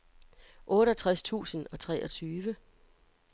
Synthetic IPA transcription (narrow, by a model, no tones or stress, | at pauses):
ʔɔ̽ːɾət͡sʰʁast͡sʰṵːsən̩ɒ̽t͡sʰʁɛʔɒ̽t͡sʰyːʋə